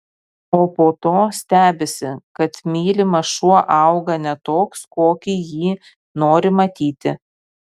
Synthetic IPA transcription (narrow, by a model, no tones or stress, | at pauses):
oːpoːt̪oːsʲt̪ʲæːbʲesʲɪkɐt̪mʲiːlʲɪmɐʃuɔʔɑʊɡɐnʲɛt̪oːkskoːkʲijiː | noːɾʲɪmɐt̪ʲiːt̪ʲɪ